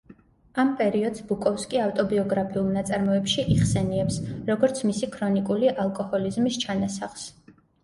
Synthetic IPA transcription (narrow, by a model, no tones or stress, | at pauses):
ampʼɛɾiɔd̪zbukʼɔfskʼiaft̪ʼɔbiɔɡɾapʰiulˠnat̪sʼaɾmɔɛpʃiʔiχsɛniɛpsɾɔɡɔɾt̪sʰmisikʰɾɔnikʼuliʔalˠkʼɔhɔlizmist͡ʃʰanasaχs